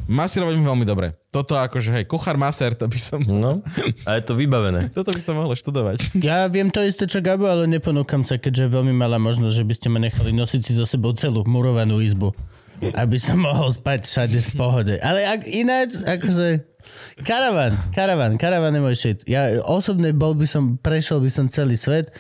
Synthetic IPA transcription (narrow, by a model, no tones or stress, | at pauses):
masiɾɔʋaɟmiʋɛlmid̪ɔbɾɛ̰t̪ɔt̪ɔakɔʒɛɦɛjkuxaɾmasɛɾt̪abisamɔ | ajɛt̪ɔʋibaʋɛnɛ̰ːt̪ɔt̪ɔbisamɔɦlaʃt̪ud̪ɔʋacjaʋɪɛmt̪ɔist̪ɛt͡ʃɔɡabualɛɲɛpɔnuːkamsakɛɟʒɛjɛʋɛlmimalaːmɔʒnɔzʲʒɛbiscɛmaɲɛxalinɔsitsizɔsɛbɔʊt͡sɛluːmuɾɔʋanuːizbu | ʔabisamɔɦɔlspacʃaɟɛspɔɦɔɟɛʔalɛainat͡ʃakɔʒɛ | kaɾaʋankaɾaʋankaɾaʋanɛmɔjʃɛt̪jaʔɔsɔbnɛbɔlbisɔmpɾɛʃɛlbisɔmt͡sɛliːsʋɛt̪